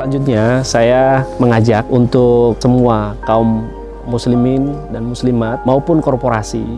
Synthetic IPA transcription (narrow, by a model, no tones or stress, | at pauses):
laɲd͡ʒut̪̚ɲasajaməŋad͡ʒakunt̪ʊk̚səmuakaumː | uslimɪndanmuslimat̪̚maupʊnkɔrpoɾasḭ